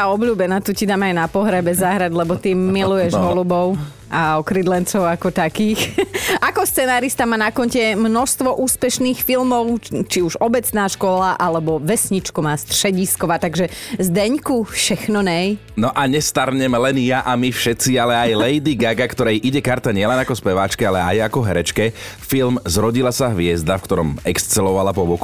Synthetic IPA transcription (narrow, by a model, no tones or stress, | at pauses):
t̪aɔbʎuːbɛnaːt̪ucid̪aːmajnapɔɦɾɛbɛzaɦɾad̪lɛbɔt̪imilujɛʒɦɔlubɔʊ | aɔkɾid̪lɛnt͡sɔʊakɔt̪akiːxakɔst͡sɛnaːɾist̪amanakɔncɛmnɔst̪ʋɔʔuːspɛʃniːxfilmɔʊt͡ʃiuʒɔbɛt͡snaːʃkɔlaʔalɛbɔʋɛsɲit͡ʃkumaːst̪rʃɛɟiskɔʋaːt̪aɡʒɛzd̪ɛɲkufʃɛxnɔnɛj | nɔʔaɲɛst̪aɾɲɛmɛlɛnjaʔamifʃɛt̪t͡sialɛajlɛjd̪iɡaɡakt̪ɔɾɛjʔiɟɛkaɾt̪aɲɪɛlɛnakɔspɛʋaːt͡ʃkɛalɛa̰jakɔɦɛɾɛt͡ʃkɛ | filmzɾɔɟilasaɦʋɪɛzd̪afkt̪ɔɾɔmɛkst͡sɛlɔʋalapɔbɔku